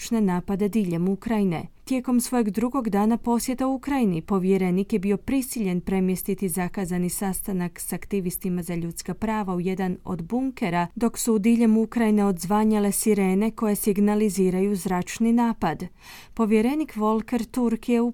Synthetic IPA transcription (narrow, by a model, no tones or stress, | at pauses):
t͡ʃne̞naːpad̪e̞d̪iːʎe̞mukɾajine̞̰t̪je̞ko̞msʋo̞jeɡd̪ɾuɡo̞ɡd̪aːnapo̞sje̞t̪aukɾajinipo̞ʋje̞ɾe̞nikjebio̞pɾisiʎe̞npɾe̞mjest̪it̪izakazanisast̪anaksakt̪iʋist̪imazaʎut̪skapɾaːʋauje̞d̪ano̰d̪buŋke̞ɾad̪o̞ksuːd̪iʎe̞mukɾajine̞o̞d̪zʋaɲale̞siɾe̞ːne̞ko̞je̞siɡnaliziːɾajuzɾat͡ʃninaːpad̪ | po̞ʋje̞ɾe̞nikʋo̞lˠke̞ɾt̪uɾkije̞u